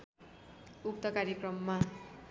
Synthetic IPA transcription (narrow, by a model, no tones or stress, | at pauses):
uk̚t̪ʌkaɾjekrʌmːa